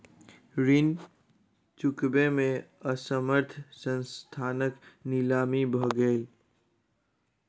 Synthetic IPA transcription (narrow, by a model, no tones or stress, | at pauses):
ɾin | t͡ʃʊkbemẽəsəməɾt̪ʰsə̃nst̪ʰaːnəknɪlaːmibʱəɡeːl